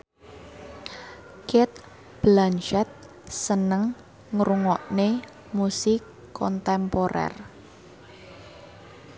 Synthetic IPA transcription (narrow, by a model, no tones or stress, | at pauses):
kɪt̪̚ | b̥lanʃɛt̪̚ | sənəŋ | ŋɾuŋɔʔne | musɪkː | ɔnt̪ɛmpoɾɛ̰r